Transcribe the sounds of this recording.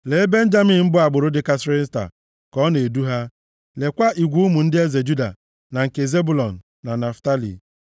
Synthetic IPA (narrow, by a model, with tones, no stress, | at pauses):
le˨e˦be˦n̩˦d͡ʒa˦mi˨m̩˦bʊ˦a˨ɡ͡bʊ˨ɾʊ˦dɪ˦ka˦sɪ˦ɾɪ˦ta̰˨ | kɔ˦ne˨du˦ɦa˦ | le˨kʷa˦ʔi˨ɡʷu˦ʊ˦mu˨n̩˦dɪ˦e˦ze˨d͡ʒu˦da̰˨ | na˨ŋ̩˨ke˨ze˦bu˨lɔ˨n̩ː˨a˨na˨fta˦lḭ˨